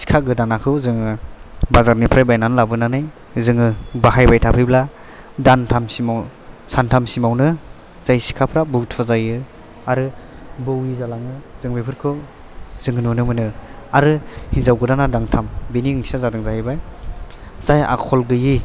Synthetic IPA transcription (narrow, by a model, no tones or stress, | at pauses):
si̥kʰaɡɯdanakʰɯwzɯŋɯbazaɾnipʰɾajbajnanɯlabɯnanɯj | zɯŋɯbaɦajbajtʰapʰɯjbla | dantʰamsimawsantʰamsimawnɯ | z̥ajsi̥kʰapʰɾabɯwtʰɔzajɯ | aɾɯ | bɯwizalaŋɯzɯŋbepʰɯɾkʰɯw | zɯŋɯnunɯmɯnɯ | aɾɯhinzawɡɯdanadaŋtʰambeniŋnʰi̥sazadɯŋzaɦajbaj | z̥aja̰kʰɔlɡɯji